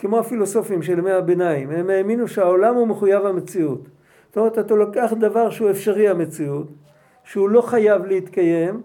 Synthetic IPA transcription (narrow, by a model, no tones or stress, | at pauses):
kemo̞afilo̞so̞fimʃelmehabenaimemeːminuʃeaolamhumeχujavame̞t͡siut̪ | tomeetat̪alokeaχd̪avaʁʃeue̞fʃaʁiame̞t͡siut̪ | ʃeulo̞χajavlehit̪kaje̞m